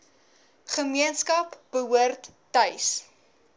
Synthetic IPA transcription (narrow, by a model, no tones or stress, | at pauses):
χəmiənskɐpb̥əɦuərtːœɥs